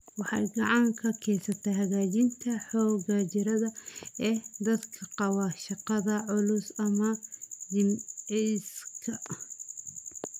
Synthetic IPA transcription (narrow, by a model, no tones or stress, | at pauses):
wɑħɑ̰jɡɑʕɑŋkʰɐkʰɛjsɐt̪ʰɛjɦɐɣaːt͡ʃɪnt̪ʰɐħɔːɣɐt͡ʃɪɾɐðɐɛːd̪ɐd̪kʰɐqɑwɑːʃɑqɑðɐʕʊlʊsɐmɐd̪ɪmɛjskʰɐ